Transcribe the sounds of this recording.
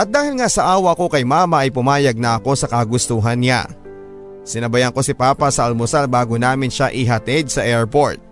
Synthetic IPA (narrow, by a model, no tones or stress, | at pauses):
ʔɐt̪̚d̪aːhɪlŋasɐʔaːwɐʔko̞kɐjmaːmɐʔɐjpʊmaːjɐɡ̚nɐʔɐko̞sɐkɐɡʊst̪uɦɐnːɪa̰ | sɪnɐbɐjɐŋko̞sɪpaːpɐsɐʔɐlmosalbaːɡonaːmɪnʃaʔɪɦɐt̪ɪd̪̚sɐʔɛɹpo̞ɹt̪̚